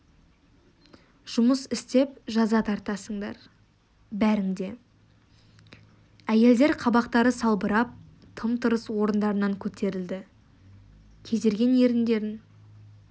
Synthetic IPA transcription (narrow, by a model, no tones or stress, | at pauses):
ʒ̥ʊməsɪst̪e̞p̚ʒɑzɑt̪ʰɑɾt̪ɑsəɴd̪ɑ̰ɾ | bæɾɪŋd̪e̞ | æje̞ld̪e̞ɾqʰɑbɑqt̪ɑɾəsɑlˠbəɾɑp̚ | t̪ʰəmt̪ʰəɾəswo̞ɾənd̪ɑɾənɑŋkʲʰɵt̪e̞ɾɪld̪ɪ | kʲʰe̞zd̪e̞ɾɡʲe̞nje̞ɾɪnd̪e̞ɾɪŋ